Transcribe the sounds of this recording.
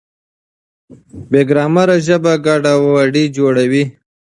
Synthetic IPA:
beɡɾɑːmaɾaʒəbaɡɑːɖawwaɖid͡ʒoɽawi

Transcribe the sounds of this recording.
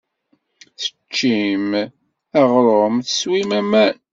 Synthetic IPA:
θə̥t͡ʃːim | æʁɾˤomθə̥swimæmæn

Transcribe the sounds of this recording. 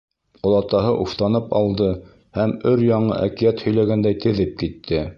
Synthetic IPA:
ŏlˠɑt̪ɑɦɤʔuft̪ɑnɤpɑlˠd̪ɤ | hæmɵɾjɑɴɤ̰ʔækijæt̪hɵ̆jlæɡænd̪æjt̪ʰɘ̆ðɘp̚kit̪ʰːɘ

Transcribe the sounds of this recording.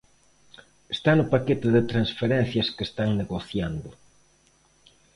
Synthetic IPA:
est̪anʊpaket̪ɪðɪt̪ɾansfeɾɛn̟θjɐskest̪aŋneɣoθjand̪ʊ

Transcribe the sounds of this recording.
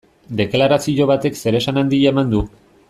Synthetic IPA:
d̪e̞klaɾasio̞βat̪e̞kse̞ɾe̞sanand̪iemand̪u

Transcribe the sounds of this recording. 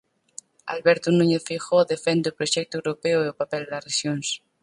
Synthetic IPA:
a̰lβɛɾt̪unuɲeθfixoðefɛnd̪eʊpɾoʃɛk̚t̪ʊewɾopɛoeopapɛld̪ɐsreʃjoŋs

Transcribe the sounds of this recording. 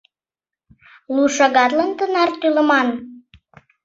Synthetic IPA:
luʃɑɣɑt̪lənt̪ənɑrt̪yləmɑn

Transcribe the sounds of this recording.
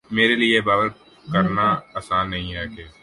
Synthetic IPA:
meːɾeliebaːʋəɾ | kɐɾnaaːsaːnːɐɦĩɦɛkeː

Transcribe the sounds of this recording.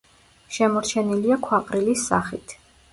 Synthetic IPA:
ʃɛmɔɾt͡ʃʰɛniliakʰwaqʼɾilisːa̰χit̪ʰ

